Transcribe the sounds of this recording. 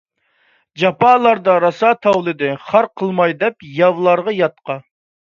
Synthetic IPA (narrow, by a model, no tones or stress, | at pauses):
d͡ʒɑpɑːlˠɑɾd̪ɑɾɑsɑt̪ʰɑwlˠɨd̪ɪχɑɾqʰəlˠmɑjd̪ɛpjɑvlˠɑɾʁɑjɑt̪̚qʰɑ